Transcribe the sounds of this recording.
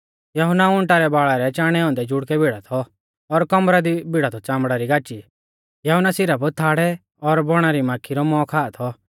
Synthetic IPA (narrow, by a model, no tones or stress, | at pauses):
jɐɦʊnaʊ̃ɳʈaɾɛbaːɭaɾɛt͡ʃaːɽ̃ɛɔ̃ːnd̪ɛd͡ʒʊɽkɛbiɽ̤at̪ʰɔː | ɾkɔmɾad̪ibʱɪɽat̪ʰɔt͡ʃãːmbɽaɾiɡaːt͡ʃi | jɐɦʊnːasɪɾabɔt̪ʰaːɽɛ | ɔɾbɔɽ̃aɾimaːkʰːiɾɔmɔkʰaːt̪ʰɔ